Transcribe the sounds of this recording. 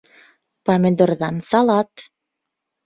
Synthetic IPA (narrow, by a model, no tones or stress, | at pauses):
pɑmʲĕd̪orðɑnsɑlɑt̪